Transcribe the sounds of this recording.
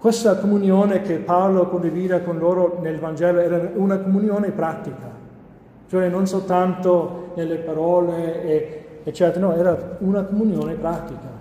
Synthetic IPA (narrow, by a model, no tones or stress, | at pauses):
kwest̪akomunjoːnekepːawlokond̪iviːd̪akonloːɾonelvand͡ʒɛːloɛːɾaunakomunjoːnepɾat̪ːika | t͡ʃoɛnonsolt̪ant̪onelːepaɾɔːleː | t͡ʃːɛt̪ɾenɔɛːɾaunakomunjoːnepɾat̪ika